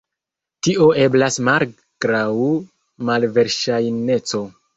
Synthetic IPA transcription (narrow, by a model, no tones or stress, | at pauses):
tiʔo̞e̞blasmal | ɡ̥ɾawu | malve̞ɾʃajne̞t͡so̞